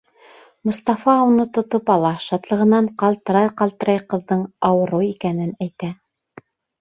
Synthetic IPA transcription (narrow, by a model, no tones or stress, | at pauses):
mŏst̪ɑfɑunɤt̪ŏt̪ɤpɑlˠɑʃɑt̪lˠɤ̆ʁɤ̆nɑɴqɑlˠt̪ɤ̆ɾɑjqɑlˠt̪ɤ̆ɾɑjqɤ̆ðːɤɴɑwɤ̆ɾɤikænɘnæjt̪æ